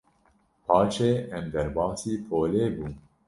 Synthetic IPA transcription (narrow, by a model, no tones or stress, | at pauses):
pʰɑːʃeːʔɛmd̪ɛɾbɑːsiːpʰoːleːbuː